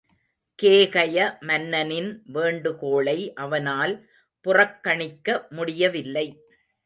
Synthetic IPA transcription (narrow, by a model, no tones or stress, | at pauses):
keːɣɐjɐmɐnːɐnɪnʋeːɳɖɯkoːɭɐɪʔɐʋɐnaːl | pʊrɐkːɐɳɪkːɐmʊɽɪjɐʋɪlːɐɪ